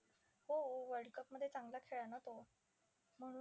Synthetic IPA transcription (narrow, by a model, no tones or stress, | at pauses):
ɦooʋəɾɽɖkəp̚məd̪ʱjet͡saŋɡlakʰeɭjanat̪o | m̤əɽ̃u